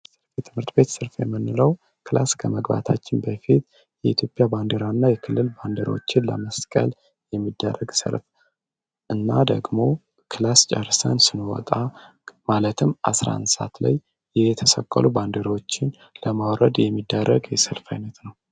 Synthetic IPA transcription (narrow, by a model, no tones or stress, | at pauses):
sɨɾfjɛt̪ʰɨmhɨɾt̪be̞t̪sɨlfjɛmːɨnːɨləw | kʰɨlaskʰəməɡba̰t̪ʰat͡ʃːɪnbəfit̪ | jɛit̪ʰjo̞pʼjaband̪eɾanːajɛkʰɨlːɨlband̪eɾwo̰t͡ʃːɪnlə̰məskʼə̰l | jɛmːid̪ːərːəɡsə̰lf | ʔɨnːad̪ə̰ɡmo̞ | kʰɨlast͡ʃʼəɾsənsɨnwɔ̰t̪ʼa | malət̪ʰɨmʔa̰sɾa̰nsa̰t̪la̰j | jɛt̪ʰəsəkʼːə̰luband̪eɾwot͡ʃːɪn | ləmawɾəd̪jɛmːid̪ːəɾːəɡjɛsəlfajnət̪nəw